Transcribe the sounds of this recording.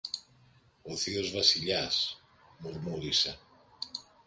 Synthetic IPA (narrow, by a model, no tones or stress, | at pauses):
o̞θio̞zvɐsiʎɐs | moɾmuɾise